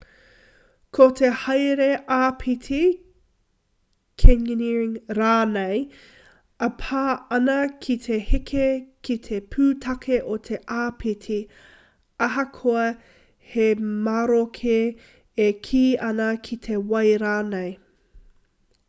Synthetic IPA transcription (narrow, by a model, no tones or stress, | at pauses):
kʰot̪ʰehɐjɾeʔaːpʰitʰi | kʰenniɹɪŋɾaːnej | ɐpʰaːɐnɐkʰit̪ʰehikʰekʰit̪ʰepʰʉːt̪ʰɐkʰeʔot̪ʰe̞ʔaːpʰitʰi | ɐɦɐkʰoɐ | hemaɾokʰe | ekʰiːɐnɐkʰit̪ʰewɐjɾaːnej